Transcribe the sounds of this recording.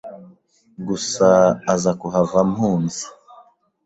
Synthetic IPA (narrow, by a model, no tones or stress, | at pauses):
ɡusaːzakuɦavamhuːnzi̥